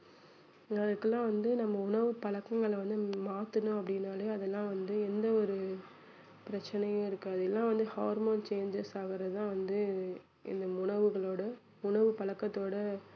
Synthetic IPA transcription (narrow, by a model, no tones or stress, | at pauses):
ɐðɐkːɛlːãːʋɐnd̪ɯnɐmːɐʊɳɐʋɯpɐɭɐkːɐŋɡɐɭʋɐnd̪ɯmaːt̪ɯnʊ̃ɐpːɐɽɪnːaːleːɐðɛlːãːʋɐnd̪ɯɛnd̪ɐɔɾɯ | pɪɾɐt͡ʃːɐnɐjʊ̃ɪɾɯkːaːɐðɯɛlːãːʋɐnd̪ɯhaːɾmoːnt͡ʃeːnd͡ʒɛsaːɣɪɾɐt̪ãːʋɐnd̪ɯ | ɪ̰nd̪ɐʊɳɐʋɯɣɐɭoːɽɐ | ʊɳɐʋɯpɐɭɐkːɐt̪ːoːɽɐ